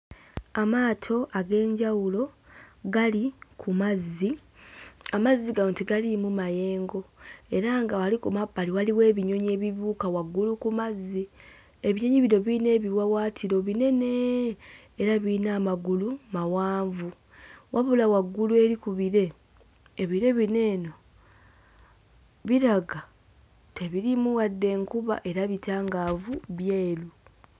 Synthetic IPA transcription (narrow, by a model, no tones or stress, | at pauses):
amaːtʰo̞ʔaɡe̞ːɲɟawulo̞ɡalikʰumazːi | amazːiɡaoːntiɡalimumaje̞ːŋɡo̞e̞ɾaŋɡawalikumabaliwaliwe̞ːβiɲo̞ɲe̞ːβiβuːkawaɡːulukumazːi | e̞βiɲo̞ɲiβiɾo̞βine̞ːβiwawaːtʰiɾo̞βine̞ne̞ː | ɾaβinaːmaɡulumawaːɱvu | wʔaβulawaɡːulue̞ɾikuβiɾe̞ː | βiɾe̞βine̞ːno̞ | βiɾaɡa | te̞βiɾimuwadːe̞ːŋkuβa̰ʔe̞ɾaβitaːŋɡavuβjeːlu